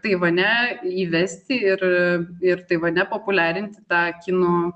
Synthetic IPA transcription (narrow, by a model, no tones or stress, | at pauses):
t̪ɐɪʋɐnʲɛiːʋʲɛsʲt̪ʲɪɪrɪrt̪ɐɪʋɐnʲɛpoːpʊlʲæːɾʲɪnʲt̪ʲɪ̥t̪ɑːkʲɪnoː